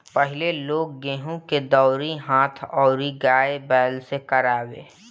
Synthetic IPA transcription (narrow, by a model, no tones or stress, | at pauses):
pəɦɪleloːɡ̚ːẽːɦũked̪ɔːɾiɦãːt̪ʰɔːɾiɡaːebɛːlsekəɾaːwḛ̃ː